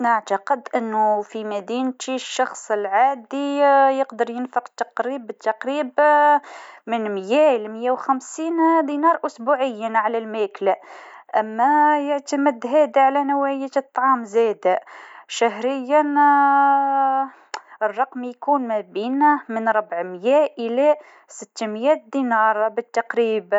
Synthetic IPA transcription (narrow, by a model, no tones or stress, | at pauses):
naʕt̪ɑqəd̪ʔənːufimæd̪int̪iʃːɑxsˤəlʕad̪ijəqd̪əɾˤjənfəqt̪ːɑqɾibət̪ːɑqɾib | mənmjælməjːæwxæmsiːnd̪inɑɾˤʔʊsbuʕəjːaʕalælmæklæʔæmːæjəʕt̪əməd̪ɦæd̪aʕalænəwʕəjæt̪t̪ˤːʕɑmzæd̪æʃæɦɾəjːən | ərˤːɑqmjkunmæbinmənɾˤɑbʕmjæʔəlæ | sət̪ːmjæt̪̚d̪inɑɾˤbət̪ːɑqɾib